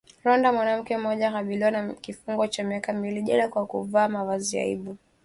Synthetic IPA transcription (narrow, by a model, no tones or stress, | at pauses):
ɾɔndamwanam̩kɛm̩ɔʄahaɓiliwanakifuŋɡɔt͡ʃamiakamiliʄalakwakuvaːmavazia̰ḭɓu